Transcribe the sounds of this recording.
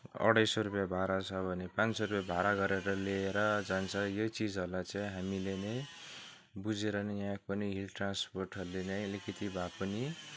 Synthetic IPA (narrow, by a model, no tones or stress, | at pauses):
ʌ̰ɽʌjsoɾupjabʱaɾat͡sʰʌbʱʌnepãnt͡ssoɾupjabʱaɾaɡʌɾeɾʌleːɾʌd͡zant͡sʰʌjot͡sid͡zʌɾulajt͡saĩɦamilenʌj̃ | bud͡zeɾʌnʌjakpʌniɦilʈransporʈɦʌrulenʌj̃likʰit̪ibʱapʌni